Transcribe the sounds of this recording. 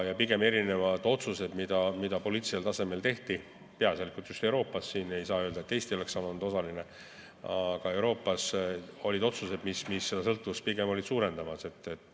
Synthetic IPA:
jɑpiɡ̥e̞me̞ɾine̞vɑd̪̥o̞t̪suse̞d̪̥mid̪̥ɑmid̪̥ɑpo̞lʲiːt̪siselt̪ɑse̞me̞lt̪e̞ht̪i | pe̞ɑsjɑlikult̪just̪e̞wɾo̞ːpːˑɑsːiːne̞jsɑːøld̪ɑet̪ːe̞jst̪io̞le̞ksɑːlɑnud̪̥o̞sɑline | ɑɡ̥ɑe̞wɾo̞ːpːˑɑso̞lʲid̪̥o̞t̪suse̞d̪mismisːe̞d̥̪ɑsɤ̞lt̪ːˑuvuspiɡ̥e̞mo̞lid̪suːɾe̞nd̪ɑmɑse̞t̪ːˑet̪ːˑ

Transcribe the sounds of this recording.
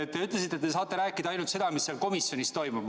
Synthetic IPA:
et̪t̪ːe̞yt̪les̬it̪ːˑe̞t̪ːes̬ɑːt̪ːˑe̞ɾæːkːˑid̪̥ɑɑjnult̪se̞d̪̥ɑmisːelko̞misjo̞nist̪o̞jmu

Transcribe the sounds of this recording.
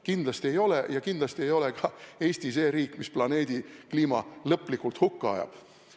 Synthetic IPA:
kind̪̥lɑst̪ie̞jo̞lejɑkind̪lɑst̪ie̞jo̞lekɑe̞ːsʲt̪ise̞ːɾiːkːˑmisplɑne̞ːd̪ikliːmɑlɤpːˑlikːˑult̪hukːuɑ̰jɑ̰b̥

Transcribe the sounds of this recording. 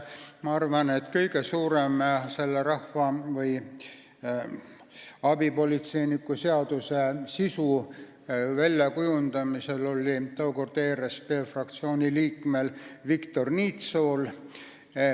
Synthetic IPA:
mɑɑrvɑne̞t̪ːkɤjɡe̞suːɾemse̞lːeɾɑhvɑvɤj | ɑbipo̞lʲit̪se̞jnikːˑuse̞ɑd̪̥use̞sisu | vælʲjɑkujund̪ɑmise̞lo̞lʲːit̪ɑoko̞rd̪̥e̞ːɾespe̞ːfrɑk̚t̪sio̞ːnʲiliːkˑmelvikt̪o̞rniːt̪so̞l

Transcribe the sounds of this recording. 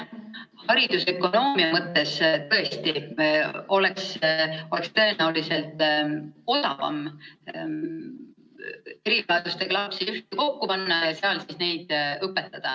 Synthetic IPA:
hɑɾid̪̥usekːˑo̞no̞ːmiɑmɤt̪ːˑe̞st̪ɤe̞st̪i | o̞le̞kso̞le̞kst̪ɤe̞næulise̞lt̪ˑ | o̞d̪̥ɑ̰vɑ̰m | eɾilɑɑd̪̥ust̪eɡ̥lɑpsijust̪̚iko̞kːupɑnːɑjɑseɑlsisne̞jd̪̥ɤpːe̞t̪ˑːɑd̪̥ɑ

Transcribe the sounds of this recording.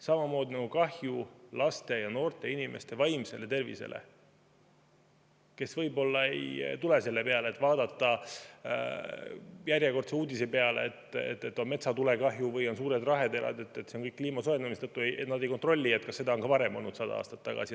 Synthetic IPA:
sɑmɑmo̞ːd̪inɑɡukɑhjulɑst̪e̞jɑno̞ːrt̪e̞inime̞̰st̪e̞vɑjmse̞le̞t̪e̞rvḭse̞̰lḛ | ke̞svɤjbo̞lːɑḛjt̪ulese̞lːepe̞ɑleːt̪ːvɑːd̪ɑt̪ːˑɑ̰ | jærjeko̞rt̪seuːd̪ʲisepe̞ɑlḛet̪ːˑḛt̪ːet̪ːˑomme̞t̪sɑt̪ulekɑɦjuvɤjo̞nsuːɾed̪rɑɦe̞d̪e̞lɑ̰d̪e̞t̪ːˑet̪seoŋkɤjkːliːmɑsoend̪ɑmiset̪ɤt̪ːˑuejet̪nɑd̪ejko̞nt̪ro̞lʲːiet̪̚kɑsːe̞d̪ɑo̞nkɑvɑɾe̞mo̞lnut̪sɑd̪ɑ̰ɑ̰ːst̪ɑt̪ːɑɡ̥ɑ̰si

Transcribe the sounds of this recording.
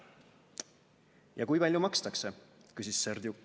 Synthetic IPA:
jɑ̰kujpɑlʲjumɑkst̪ɑkse̞kysisːerd̪ju

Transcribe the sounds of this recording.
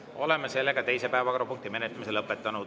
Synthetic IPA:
o̞le̞mːese̞lːe̞ɡ̥ɑt̪e̞jse̞pæevɑkoɾupuŋkt̪ime̞net̪ːˑɑmiselɤpːˑet̪ːˑɑnu

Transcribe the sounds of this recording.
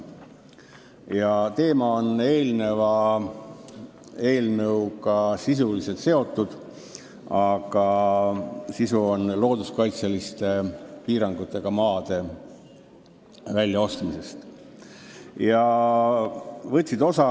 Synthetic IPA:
jɑt̪e̞ːmɑo̞ne̞ːlne̞vɑ | e̞ːlnəwkɑsis̬ulise̞lt̪se̞o̞t̪ːud̪̥ | ɑɡ̥ɑ | sisuo̞nlo̞ːd̪uskɑjt̪sɑlist̪e̞piːɾɑŋɡ̥ut̪ːˑe̞ɡ̥ɑmɑːd̪̥e̞ | vælʲːjɑo̞st̪mise̞st̪ | jɑ | vɤt̪ʲːsid̪o̞sɑ

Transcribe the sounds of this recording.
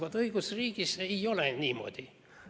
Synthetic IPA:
ʋɑt̪ɯiɡusriːkiseiolenʲiːmo̰d̪ʲi

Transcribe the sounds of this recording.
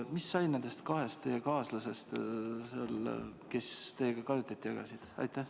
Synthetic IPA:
misːɑjnend̪̥e̞st̪kɑɦe̞st̪ːe̞jekɑːslɑse̞st̪sel̰ke̞st̪e̞ːɡ̥ɑkɑjut̪ːˑɑt̪ːˑiɑɡɑ̰sid̪̥ɑ̰jt̪ːˑæh

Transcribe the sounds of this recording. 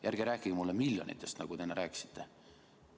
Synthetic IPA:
jærɡ̥iɾæːkːˑiɡmulːemiljonḭt̪ːˑest̪nɑɡ̥ut̪enɑɾæːksi̥t̪ːe

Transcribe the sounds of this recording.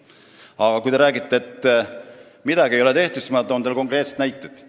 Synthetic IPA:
ɑɡ̥ɑkujt̪eɾæːɡit̪ːˑeet̪ːˑ | mid̪̥ɑɡiejo̞le̞t̪e̞ht̪usmɑd̪o̞nt̪elko̞ŋkre̞ːt̪se̥t̪næjt̪ːˑed̪̥

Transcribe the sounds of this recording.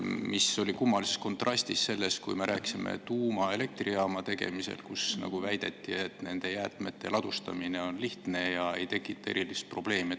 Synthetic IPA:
miso̞lʲikumːɑlisesko̞nt̪ːˑrɑsʲt̪isːe̞lːe̞skujme̞ɾʔæːkisimḛt̪uːmɑe̞le̞k̚t̪riɑːmɑt̪e̞ɡ̥e̞̰mise̞̰lkusnɑ̰ɡ̥uvæjd̪̥e̞t̪ːie̞t̪ne̞nd̪̥e̞jæːt̪me̞t̪ːe̞̰lɑd̪̥ust̪ɑ̰mine̞o̞nliht̪ne̞jɑe̞jt̪e̞kːˑit̪ːˑɑe̞̰ɾilist̪̚pro̞b̥le̞ːmi

